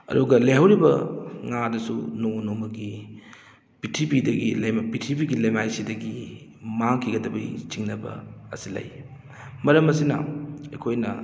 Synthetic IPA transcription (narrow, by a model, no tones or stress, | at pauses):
ɐ̰duɡɐlɐjɦawɾibɐ̰ŋadɐsṵnonomɐɡi | pitʰipidɐɡilɐjmpitʰipiɡilɐjmajsidɐɡi | maŋkʰiɡɐdɐbɐ̰jt͡ʃiŋnɐbɐ̰ɐ̰silɐ̰j | mɐɾɐmɐsinɐ̰ekʰojnɐ̰